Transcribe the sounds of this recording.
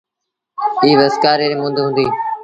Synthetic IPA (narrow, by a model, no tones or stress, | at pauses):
iːʋəskaːɾeːɾeːmʊ̃ːnd̪ʱɦʊ̃nd̪iː